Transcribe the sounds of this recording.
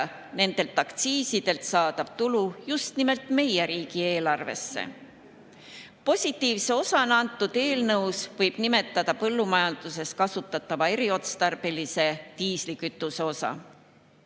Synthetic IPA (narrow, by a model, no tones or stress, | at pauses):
ne̞nd̪̥e̞lt̪ːˑɑkt̪siːsid̪̥e̞lt̪sɑːd̪̥ɑb̥t̪ulujust̪nime̞lt̪me̞jeɾiːɡ̥ie̞ːlɑrve̞̰sːḛ | po̞sʲit̪ːˑiːvse̞o̞sɑnɑnt̪ːˑud̪̥e̞ːlnɤwsvɤjb̥nime̞t̪ːˑɑd̪ɑpɤlːumɑjɑnd̪̥use̞skɑsut̪ːˑɑt̪ːˑɑvɑe̞ɾio̞t̪st̪ɑrb̥e̞lise̞t̪iːslikyt̪ːˑuseo̞sɑ̰